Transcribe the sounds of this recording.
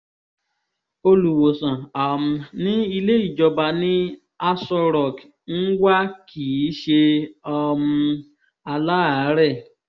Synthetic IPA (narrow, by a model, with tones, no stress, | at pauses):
o˧lu˨wo˨sã˨a˨m̩˨nĩ˦i˧le˦i˦˨d͡ʒɔ˧ba˧nĩ˦ | a˦sɔ˧ɾɔ˨k | n̩˦ɡa˦kʰi˨˦ʃe˧ɔ˧mũ˧ | a˧la˦a˨˦ɾɛ˦˨